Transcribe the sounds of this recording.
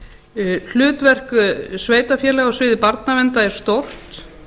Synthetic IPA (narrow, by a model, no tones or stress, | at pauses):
l̥ʏːt̪vɛr̥kʏsveːjt̪afjɛːlɛɣɔsvɪːðɪpaɾt̪navɛnt̪aɛɾ̥st̪owr̥t̪